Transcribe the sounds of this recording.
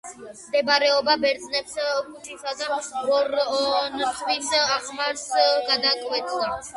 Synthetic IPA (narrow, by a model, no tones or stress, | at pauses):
md̪ɛbaɾɛɔbabɛɾd̪znɛpskʰut͡ʃʰʼisad̪aɔɾntʰʼvisaχmaɾsɡad̪akʼwɛt̪ʰʼa